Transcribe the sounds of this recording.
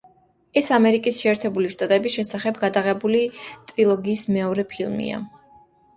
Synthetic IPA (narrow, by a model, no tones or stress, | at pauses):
ɛsamɛɾikʼisʃɛːɾt̪ʰɛbuliʃt̪ʼat̪ʼɛbisʃɛsaχɛbɡad̪aʁɛbulit̪ʼɾilˠɔɡiːsmɛɔɾɛpʰilˠmḭa̰